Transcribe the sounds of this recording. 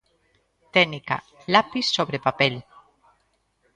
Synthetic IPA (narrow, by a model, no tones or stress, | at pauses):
t̪enika̰ | lapisːoβɾepapel